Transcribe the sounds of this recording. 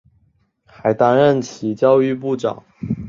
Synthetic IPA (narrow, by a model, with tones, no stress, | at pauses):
xa˧˥ɪt̪a˥nɻə˥˩nt͡ɕʰi˨˧˥t͡ɕjɑ˥˧ʊy˥˧p̬u˥˩ʈ͡ʂɑ̰˨˩˦ŋ